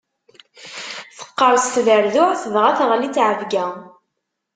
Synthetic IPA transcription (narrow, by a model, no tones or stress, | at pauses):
θə̥qːəɾˤst̪ðəɾðʊʕθəðʁaθʁlit͡sːʕəvɡæ